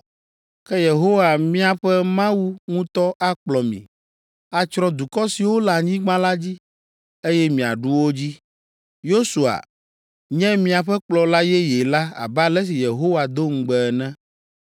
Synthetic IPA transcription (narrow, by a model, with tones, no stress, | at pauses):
kɛ˦je˨ɦo˦wa˨mĩ˦a˨ɸɛ˦mã˦wu˦ŋũ˦t̪ɔ˦ʔa˦k͡plɔ˨mḭ̃˨ | a˨t͡ʃɾɔ̃˦d̪u˨kɔ˦si˨wo˦la˨ɲĩ˦ɡ͡bã˦la˦d͡ʑi˦ | e˦jɛ˦mĩ˨a̰˨ɖu˦wo˦d͡ʑi˦ | jo˦su˨a̰˨ | ɲɛ̃˦mĩ˦a˨ɸɛ˦k͡plɔ˨la˦jɛ˦je˨la˦a̰˨ba˦lɛ˦s̬i˨je˨ɦo˦wa˨d̪o˦ŋ̩˨ɡ͡bɛ˨ɛ˨nɛ̃˦